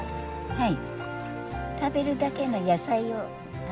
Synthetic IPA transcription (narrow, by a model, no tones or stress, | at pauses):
haj | t̪abiɾudakenojasajo